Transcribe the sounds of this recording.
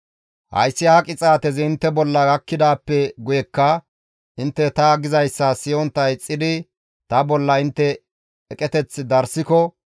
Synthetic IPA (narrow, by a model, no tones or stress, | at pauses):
hɐ̰jsːɪaːkʼɪt͡sʼaːt̪ɛzɪɪnt̪ːɛbɔlːɐɡɐkːɪd̪aːpːɛɡʊjɛkːɐ | ʔɪnt̪ːɛt̪ɐɡɪzɐjsːɐsɪjɔnt̪ːɐjt͡sʼːɪd̪ɪ | t̪ɐbɔlːɐɪnt̪ːɛː | kʼɛt̪ɛt͡sːɪd̪ɐɾsɪkɔ